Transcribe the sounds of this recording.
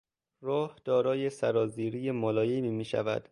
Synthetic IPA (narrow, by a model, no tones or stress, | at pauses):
rɒːhd̪̥ɒːɾɒːjesæɾɒːziːɾijemɒːlɒːjemiːmiːʃæ̰væ̰d̪̥